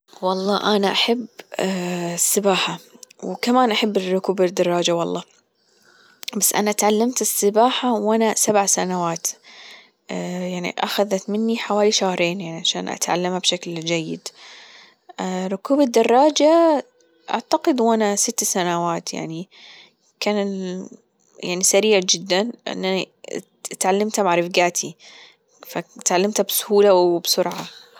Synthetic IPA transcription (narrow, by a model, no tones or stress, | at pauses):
wɑlˤːɑ̰ːʔanaʔaħabː | sːɪbaːħawkamaːnʔaħabːɪrˤʊkuːbɪd̪ːɑrˤːɑːd͡ʒawɑlˤːɑ̰ː | basːʔa̰naʔt̪ʕalːamt̪ɪsːɪbaːħawʔanasabʕsanawaːt̪ | jaʕnḭʔaxaðat̪mɪnːiħawaːliʃaːhɾˤeːnjaʕniʕaʃa̰ːnʔa̰t̪ʕa̰lːamhabʃakld͡ʒajːɪ̰d̪ | ɾˤʊkuːbad̪ːɑrˤːɑːd͡ʒa | ʔa̰ʕt̪aqɪd̪wʔanasɪt̪ːsanawaːt̪ja̰ʕni | kaːnɪl | jaʕnisaɾiːʕd͡ʒɪd̪ːanʔɪ̰nːani | t̪ʕalːamt̪maʕɾˤɪfɡaːt̪ʰi | fat̪ʕalːamt̪absʊ̥huːlawbsʊɾʕa